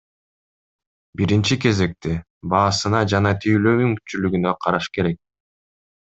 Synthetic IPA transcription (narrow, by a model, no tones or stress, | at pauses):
biɾint͡ʃike̞ze̞k̚t̪e | bɑːsɯnɑd͡ʒɑnɑt̪ʰyjlømyŋkt͡ʃylyɡynøqʰɑɾɑʃke̞ɾe̞k̚